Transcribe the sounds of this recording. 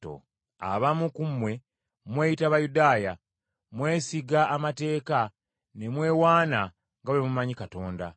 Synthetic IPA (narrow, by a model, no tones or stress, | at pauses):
o̰ | a̰βamukumwe̞ | mwe̞ːjitaβajudaːja | mwe̞ːsiɡaːmate̞ːka | ne̞mwe̞ːwaːna | ŋɡaβimumaɲikato̞ːnda